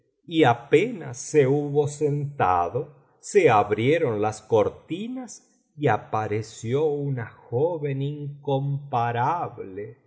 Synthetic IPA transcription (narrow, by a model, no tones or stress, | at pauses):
iapena̰sːeuβo̞sent̪a̰ðo | seaβɾjeɾo̞nlaskoɾt̪inas | iapaɾesjounaxoβe̞niŋkompaɾaβle